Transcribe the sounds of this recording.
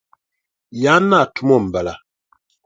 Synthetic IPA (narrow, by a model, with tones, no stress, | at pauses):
ja˨˦na˦˨tu˦mɔ˦˨m̩˨ba˨la˨